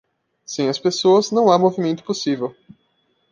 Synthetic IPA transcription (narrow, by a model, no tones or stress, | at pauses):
sẽj̃ɐspesoɐznɐ̃w̃amovimẽnt̪ʊ̥posivew